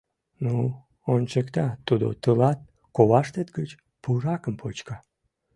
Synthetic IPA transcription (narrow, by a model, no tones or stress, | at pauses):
nu | onʲt͡ɕekt̪ɑt̪ud̪o̰t̪əlɑt̪̚ | koβɑʃt̪et̪ɡət͡ɕ | purɑkəmpʰot͡ɕkɑ